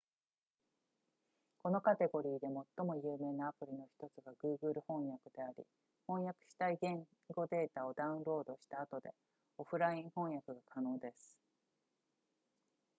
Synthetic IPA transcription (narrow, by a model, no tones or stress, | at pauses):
ko̞no̞kat̪e̞ɡo̞ɾʲiːd̪e̞mo̞t̪ːo̞mo̞jɯːme̞ːnaːpɯ̟ɾʲino̞çi̥t̪o̞t͡sɨɡaɡɯ̟ːɡɯ̟ɾɯ̟hõ̞ɰ̃jakɯ̟d̪e̞aɾʲḭ | hõ̞ɰ̃jakɯ̟̥ɕi̥t̪aiɡẽ̞ŋ | ɡo̞d̪e̞ːt̪ao̞d̪aɯ̟̃nɾo̞ːd̪o̞ɕi̥t̪aːt̪o̞d̪e̞ | o̞ɸɯ̟ɾaĩɰ̃hõ̞ɰ̃jakɯ̟ɡakʰano̞ːd̪e̞sɨ̥